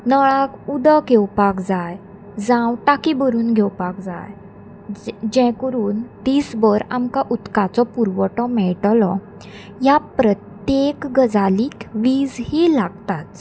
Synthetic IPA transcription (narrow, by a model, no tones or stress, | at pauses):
nəɭakud̪əɡʱewpakd͡zaj | d͡zãwʈakibəɾuːnɡʱewpakd͡za̰j | d͡ʑɛ̃kəɾuːnt̪iːsbəɾamkaʔut̪kat͡sɔpuɾʋəʈɔmɛɭʈlɔ | ɦjapɾət̪jekɡəd͡zaliːkʋiːd͡zhilaɡt̪at̪